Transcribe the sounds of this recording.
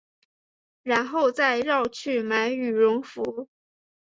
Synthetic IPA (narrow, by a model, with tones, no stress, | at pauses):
ɻa˧˥nxo˥˧ʊt͡sa˥˧ɪɻɑ˥˧ʊt͡ɕʰy˥˩ma˧˥ɪy˨˩ɻʊ˧˥ŋfu˧˥